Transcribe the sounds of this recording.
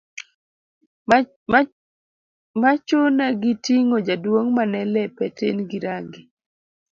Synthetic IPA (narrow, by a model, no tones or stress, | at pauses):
mat͡ʃonaɡitiŋod͡ʒadwoŋmanɛlɛpɛtḛnɡiɾaŋɡi